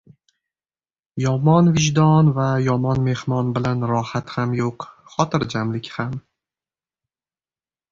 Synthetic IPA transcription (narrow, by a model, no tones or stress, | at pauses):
jɒmɒnvɪʒd̪ɒnvajɒmɒnme̞hmɒnbɪlanɾɒhat̪hamjoqχɒt̪ʰɪɾd͡ʒamlɪkʲham